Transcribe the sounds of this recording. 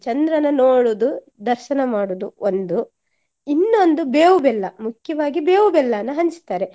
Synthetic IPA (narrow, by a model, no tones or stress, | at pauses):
t͡ʃɐnd̪ɾɐnɐnoːɽuːd̪u | d̪ɐɾʃɐnɐmaːɽud̪uond̪u | inːo̞nd̪ubeːʋubɛlːɐmukʰjɐʋaːɡibeːʋubɛlːɐnːɐɦɐɲt͡ʃt̪aːɾe